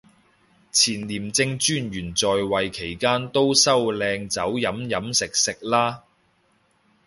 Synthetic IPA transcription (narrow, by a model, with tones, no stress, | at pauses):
t͡sʰiː˨˩nliː˨˩mt͡sɪ˧ŋt͡ʃyː˥nɥyː˨˩nt͡sɔː˨jwɐ˨jkʰe˨˩jkaː˥nt̪o˥wsɐ˥wlɛː˧ŋt͡sɐ˨˥wjɐ˨˥mjɐ˨˥msɪ˨k̚sɪ˨k̚laː˥